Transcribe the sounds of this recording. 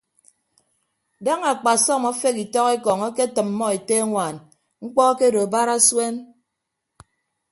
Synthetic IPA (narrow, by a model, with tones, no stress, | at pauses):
da˦ŋa˨k͡pa˨sɔ˦˨mɔ˦fe˦ki˨tɔ˦ke˦kɔ˨ŋɔ˦ke˦tɨ˨m̩ː˦ɔ˦e˨te˦ŋʷa˨n | ŋ͡m̩˦k͡pɔ˦ke˦do˨ba˦ɾa˦swe˦n